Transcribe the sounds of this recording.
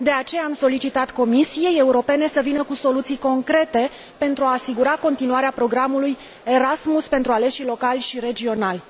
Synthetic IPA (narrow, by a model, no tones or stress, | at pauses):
d̪e̞at͡ʃe̞jaːmso̞lit͡ʃit̪at̪ko̞misije̞jeuɾo̞pe̞ne̞səvinəkuso̞lut̪sijko̞ŋkɾe̞t̪e̞ | pe̞nt̪ɾuaːsiɡuɾako̞nt̪inuaɾeapɾo̞ɡɾamuluj | e̞ɾasmuspe̞nt̪ɾuale̞ʃilo̞kalʲʃiɾe̞d͡ʒio̞nalʲ